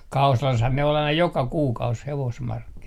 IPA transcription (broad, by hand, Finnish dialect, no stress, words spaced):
kɑusɑlɑshɑn ne ol ɑinɑ jokɑ kuːkɑus heʋosmɑrkːinɑt